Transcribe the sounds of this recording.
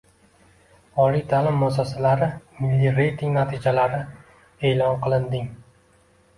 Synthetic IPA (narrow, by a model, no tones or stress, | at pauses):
ɒlijt̪ʰaːlɪmːasɒsalaɾɪmɪlːiɾejt̪ʰɪŋnat̪ʰɪd͡ʒalaɾɪ | e̞ːlɒnqʰɨlˠɪnd̪ɪŋ